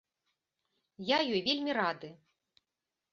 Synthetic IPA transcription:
jajɔjvʲelʲmʲiɾad̪ɨ

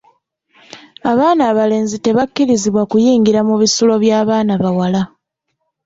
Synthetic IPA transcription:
aβaːnaːβale̞ːnzite̞βakːiɾiziβwakujiːŋɡiɾamuβisulo̞βjaːβaːnaβawala

